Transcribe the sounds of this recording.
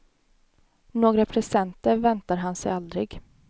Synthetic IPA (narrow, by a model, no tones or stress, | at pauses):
noːɡɾapʰɾɛsɛnt̪əɾvɛnt̪aɾɦansɛ̰jald̪ɾɪɡ